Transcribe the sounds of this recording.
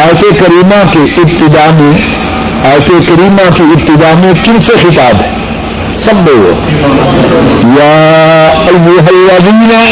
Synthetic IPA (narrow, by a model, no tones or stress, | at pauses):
aːjt̪ekɐɾiːmãkeɪb̚t̪ɪd̪aːmẽ | aːjt̪ekɐɾiːmãkiɪb̚t̪ɪd̪aːmẽkɪnsexɪt̪aːb | sɐbːoo̰ | ja | ɐjoɦɐlɾaːzimina